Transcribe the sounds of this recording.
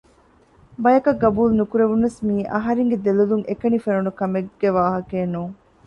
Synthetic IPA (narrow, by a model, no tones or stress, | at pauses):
bɐjɐkɐɡɐbuːlnukuɾeʋunɐsmiːʔɐɦɐɾeŋɡed̪eluluŋʔekɐnifenunukɐmeɡ̥eʋaːɦɐkeːnuːŋ